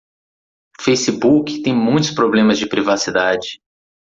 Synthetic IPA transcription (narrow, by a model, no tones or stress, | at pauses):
fejsibukɪ̥t̪ẽj̃mũj̃t̪ʊ̥spɾoblẽmɐzd͡ʒɪpɾivasid̪ad͡ʒɪ